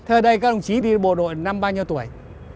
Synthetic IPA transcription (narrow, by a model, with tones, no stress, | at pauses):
t̪ʰəː˧jɗə˧jkaː˦˥k̚ɗə˧wŋ͡mt͡ɕi˨˦ɗi˧ɓo̰˧˨ɗo̰˧˨jna˧mɓaː˧ɲi˧əwt̪u˧˩əj